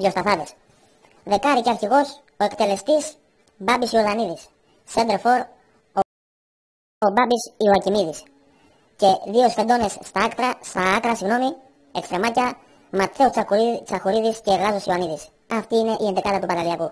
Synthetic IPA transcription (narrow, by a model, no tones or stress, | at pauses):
ðʝo̞st̪ɐθɐðes | ðe̞kɐɾiceɐɾçiɣo̞s | o̞e̞kt̪e̞le̞st̪is | bɐbisioðɐniðisː | end̪eɾfo̞ɾ | obɐbisioɐcimiðis | ce̞ðio̞sfed̪o̞ne̞sːt̪ɐɐkt̪ɾɐst̪ɐɐkɾɐsiɣno̞mi | e̞kst̪ɾe̞mɐcɐ | mɐt̪θeot͡sɐkut͡sɐxuɾiðisceːɣɐzosioɐniðis | ɐft̪iːne̞ʔiend̪ikɐlɐt̪upɐd̪ɐliɐku